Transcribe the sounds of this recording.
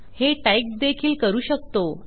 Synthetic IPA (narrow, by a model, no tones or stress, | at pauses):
heʈajk̚d̪ekʰiːlkəɾuːɕək̚t̪o